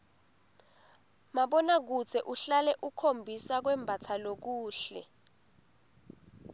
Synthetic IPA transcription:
maɓɔnak̬ut͡sʰɛʔuɬalɛʔukʰombʱisak̬wɛmbʱatʰalok̬uːɬɛ̰

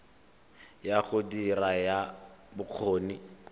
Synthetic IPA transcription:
jaχʊdirajabʊq͡χʰoːni

